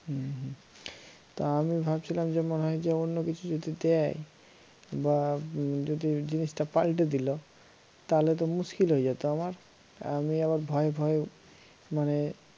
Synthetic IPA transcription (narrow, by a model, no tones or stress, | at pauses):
ɦɦ | t̪oamibʱabt͡ɕʰilamd͡ʑemoneɦɔjd͡ʑeonːokit͡ɕʰud͡ʑod̪id̪ɛj | bad͡ʑod̪id͡ʑiniʃʈapalʈ̬ed̪ilo | t̪alet̪̬omuskilɦoed͡ʑat̪oamaɾ | a̰miaβaɾbʱɔebʱɔe | mane